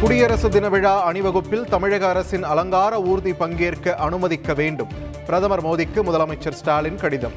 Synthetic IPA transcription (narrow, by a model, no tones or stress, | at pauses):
kʊɽɪjɐɾɐsɯd̪ɪnɐʋɪɻaːɐɳɪʋɐɣɯpːɪlt̪ɐmɪɻɐɣɐːɾɐsɪnɐlɐŋɡaːɾɐuːɾðipɐŋɡɪjɐrkɯʔɐnɯmɐðɪkːɐʋeːɳɖɯm | pɪɾɐðɐmɐɾmoːðɪkːɯmʊðɐlɐmɐɪt͡ʃːɐɾsʈaːlɪnkɐɽɪðɐ̰m